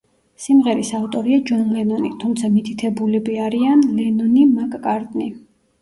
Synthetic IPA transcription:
simʁɛɾisaut̪ʼɔɾiad͡ʒɔnlɛnɔnit̪ʰumt̪sʰamit̪ʰit̪ʰɛbulɛbiaɾianlɛnɔnimakʼkʼaɾd̪ʼni

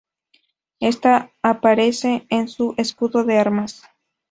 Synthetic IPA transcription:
est̪aːpaɾeseensuʔeskuðoðeaɾmas

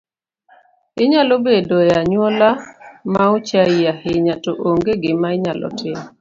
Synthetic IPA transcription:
ɪɲalobedojaɲwɔlamaut͡ʃaɪahɪɲatoʔoŋɡeɡɪmaɪɲalɔ̰tʰɪm

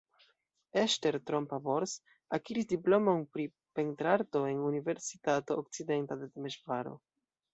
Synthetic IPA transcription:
e̞ʃte̞ɾtɾo̞mpabo̞ɾs | akiɾisdiplo̞mo̞npɾi | pe̞ntɾaɾto̞e̞nunive̞ɾsitato̞ːk̚t͡side̞ntaded̪emeʃvaɾo̞̰

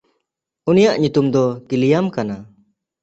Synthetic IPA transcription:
unijaʔɲut̪umd̪ɔkilijamkana

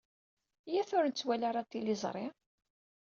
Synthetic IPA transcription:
jæθʊɾənt͡sːwælaɾat̪ːilizˤɾˤɪ

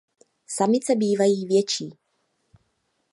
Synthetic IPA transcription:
samɪt͡sɛbiːvajiːvjɛt͡ʃiː

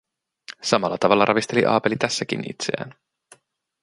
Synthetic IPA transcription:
sɑmɑlːɑt̪ɑʋɑlːɑɾɑʋist̪e̞lḭʔɑ̰ːpe̞lit̪æsːæk̟ḭnḭt̪sḛæ̰ːn

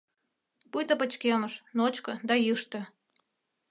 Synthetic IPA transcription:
pujt̪əpə̆t͡ɕkeməʃnot͡ɕkɤ̆d̪ɑjɯʃt̪ə̆

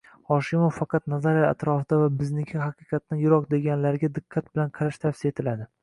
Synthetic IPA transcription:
hɒʃɪmoffɑqʰɑt̪nazaɾaa̰t̪ɾɒfɪd̪avabɪznɪkʲʰɪhɑqɨqʰɑt̪ːanjʊɾɒqd̪e̞ɡʲanlaɾɡʲad̪ɪqʰːɑt̪̚bɪlanqʰɑɾaʃt̪ʰafsɪet̪ʰɪlad̪ɪ

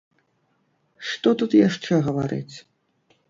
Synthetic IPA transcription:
ʂt̪ɔt̪ut̪jaʂt͡ʂɛɣɐvaɾɨ̰t͡sʲ

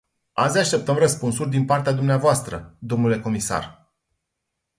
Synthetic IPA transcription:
azʲaʃt̪e̞p̚t̪əmrəspunsurʲd̪inpart̪ead̪umneavoast̪ɾəd̪o̞mnule̞ko̞misa̰r

